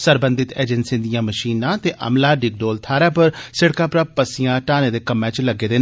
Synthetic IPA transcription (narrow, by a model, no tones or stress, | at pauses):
səɾbə̃nd̪ɪt̪ḛːd͡ʒɛnsẽːd̪ijãːməʃiːnãːt̪eːʔə̰mlaːɖɪɡ̚ɖoːlt̪ʰaːɾaːpəɾsɪɽkaːpɾaːpəsɪjãːʈaːnẽːd̪eːkəmːɛ̃ːt͡ʃləɡeːd̪eː